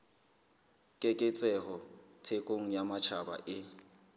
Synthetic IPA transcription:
kʼekʼɪt͡sʼɛhɔ | tʰekʼoŋ̩jamat͡ʃʰaba̰ʔɪ

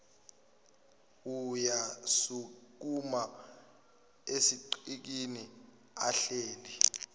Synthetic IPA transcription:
ujasuk̬ʼuma | esiǃik̬ini | a̰ɬeːli

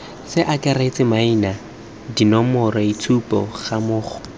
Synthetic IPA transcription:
sɪʔakʼaret͡sʼɪmaina | dinɔmʊraitʰupʼɔ̰χamʊːχʰɔ̥

